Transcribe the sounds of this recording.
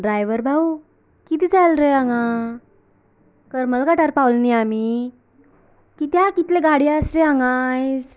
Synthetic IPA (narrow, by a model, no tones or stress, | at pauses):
ɖɾajʋəɾbʱau | kit̪iːd͡zalɾəjaŋa | kəɾməlɡaʈaɾpawlniami | kit̪jakit̪leɡaɽiasɾeaŋajd͡z